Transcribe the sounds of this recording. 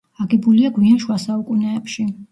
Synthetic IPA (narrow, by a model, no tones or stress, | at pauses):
aɡɛbuliaɡwianʃwasaukʼunɛːpʃi